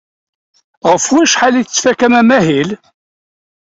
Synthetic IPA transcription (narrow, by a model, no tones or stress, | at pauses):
ʁəfwæʃħaliθt͡sːfækæmæmæɦil